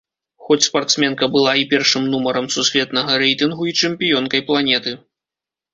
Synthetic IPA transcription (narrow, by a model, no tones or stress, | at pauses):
xɔt͡sʲspart̪smʲɛnkɐbɨlˠaipʲɛrʂɨmnumɐɾɐmsusʲvʲɛt̪nɐɣɐɾɛjt̪ɨnɣuit͡ʂɛmʲpʲijɔnkɐjplˠanʲɛt̪ɨ